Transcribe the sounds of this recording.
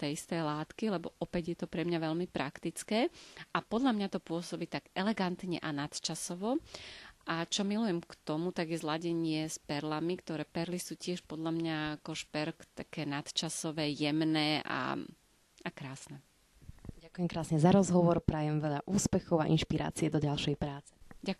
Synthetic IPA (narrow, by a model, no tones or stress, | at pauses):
t̪ɛjist̪ɛjlaːt̪kilɛbɔʔɔpɛɟjɛt̪ɔpɾɛmɲaʋɛʎmipɾakt̪it͡skɛːapɔd̪ʎamɲat̪ɔpʊɔsɔbiːt̪aɡɛlɛɡant̪ɲɛ̰ʔanat̪t͡ʃasɔʋɔʔat͡ʃɔmilujɛmkt̪ɔmut̪aɡjɛzlaɟɛɲɪɛspɛɾlamikt̪ɔɾɛːpɛɾlisuːcɪɛʃpɔd̪ʎamɲaakɔʃpɛɾkt̪akɛːnat̪t͡ʃasɔʋɛːjɛmnɛːʔa̰ | akɾaːsnɛ | ɟakujɛmkɾaːsɲɛzaɾɔzɦɔʋɔɾpɾaːjɛmʋɛʎaʔuːspɛxɔʊa̰ʔinʃpiɾa̰ːt͡siɛd̪ɔɟalʃɛjpɾaːt͡sɛ̥ɟak